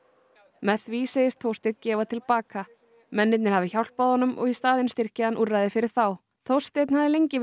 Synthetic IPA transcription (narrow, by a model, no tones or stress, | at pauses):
mɛθviːsɛjɪst̪θʰowst̪ɪt̪cɛːvat̪ʰɪlpaːka | mɛnːɪt̪̬̚nɪɾ̥havðɪçawl̥paðhɔnːʏmʔɔ̰ɣist̪aːðɪnst̪ɪr̥cɪhanːʔurːajðɪfɪɾɪɾ̥θaw | θowst̪ɪt̪nhavðɪlejɲcɪ